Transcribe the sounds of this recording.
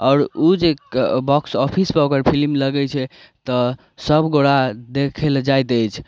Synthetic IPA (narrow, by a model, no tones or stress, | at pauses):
ɔːɾod͡ʒebɔksɔpʰispəokəɾpʰilmləɡɛt͡ʃʰɛ | t̪ɔ | səbɡoɽad̪ekʰeld͡ʒajt̪əjt͡ʃʰ